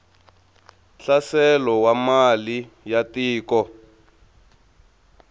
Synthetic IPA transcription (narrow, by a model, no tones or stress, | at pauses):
ɬasɛlɔwamali | jatiːkɔ